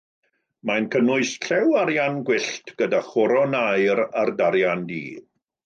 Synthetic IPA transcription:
majnkʰənʊɨsɬʰɛwaɾjanɡwɪɬtʰɡ̥ədaχɔɾɔnajɾardaɾjandḭː

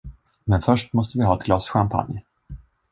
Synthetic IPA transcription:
mɛnfœʂʈmɔst̪əvɪɦɑːɛt̪̚ɡlɑːsɧampʰa̰nj

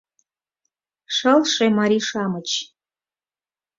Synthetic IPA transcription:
ʂɐlʂɐmaɾiːʂaːmɨt͡ʃʰ

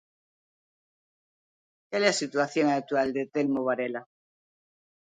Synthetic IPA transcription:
kelesit̪uaθjoŋak̚t̪uwald̪et̪elmoβaɾela

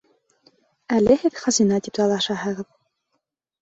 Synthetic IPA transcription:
ælɘ̆hɘðχɑzinɑt̪ipzɑlˠɑʃɑɦɤ̆ʁɤð

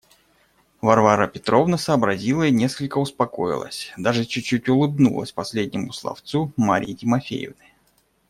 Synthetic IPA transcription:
vɐrvaɾəpʲɪt̪ɾo̞vnəsəːbɾɐzʲilˠəinʲeskəlʲkəʊspɐko̰jɪ̰lˠə̰sʲd̪aʐɨt͡ɕʊt͡ɕːutʲʊlˠɨbnṵlˠə̰sʲpɐsʲlʲed̪ʲnʲɪmʊslˠɐ̰ft̪sumaɾʲɪ̰jːtʲɪmɐfʲḛjɪ̰vnəj

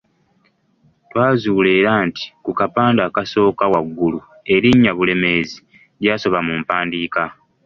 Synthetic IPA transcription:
twaːzuːle̞ːɾaːnti̥kukapaːndaːkaso̞ːkawaɡːulu | e̞ɾiɲːaβule̞me̞zi | ɾjaːso̞βamumpaːndiːka

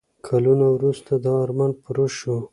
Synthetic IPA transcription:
kʰalunawɾust̪ad̪əɑɾmanpəɾoʃu

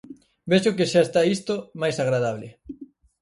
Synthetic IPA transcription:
beʃʊkɪʃaest̪aist̪omajsaɣɾað̞aβlɪ̰

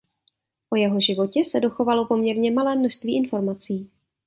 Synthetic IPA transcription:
ʔo̞jɛɦo̞ʒɪvo̞cɛsɛdo̞xo̞valo̞po̞mɲɛɾɲɛmalɛːmnoʃst̪viːʔɪnfo̞ɾmat͡siː

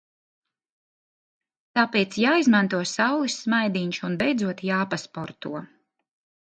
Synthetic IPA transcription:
t̪aːpeːt̪sjaːizmant̪uɔsawlˠisːmajd̪iɲʃunbɛjd̪zuɔt̪jaːpaspɔɾt̪ṵɔ

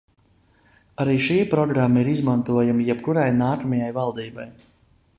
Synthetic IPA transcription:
aɾiːʃiːpɾɔɡɾamːaiɾizmant̪uɔjumijɛp̚kuɾajnaːkamajajvalˠd̪iːbaj

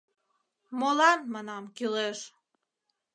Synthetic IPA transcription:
molɑnmɑnɑmkyleʃ

